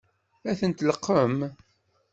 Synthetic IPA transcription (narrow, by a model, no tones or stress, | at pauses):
æθənt̪ləqːəm